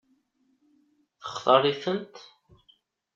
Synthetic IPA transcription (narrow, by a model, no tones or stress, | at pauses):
θə̥χθərˤːiθənt̪